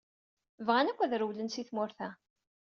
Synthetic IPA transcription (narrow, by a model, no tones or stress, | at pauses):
vʁanækʷːæðɾəwlənsiθmʊɾθæ